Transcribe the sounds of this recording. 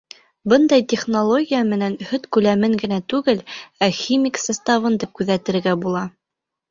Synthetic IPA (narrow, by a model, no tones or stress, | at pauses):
bɤnd̪ɑjt̪ʲeχnolˠo̞ɡʲijəmɘ̆nænhɵt̪kʉlæmɘŋɡɘ̆næt̪ʉɡɘlæxʲimʲiksast̪ɑvɤnd̪ip̚kʉðæt̪ɘ̆ɾɾɡæbulˠɑ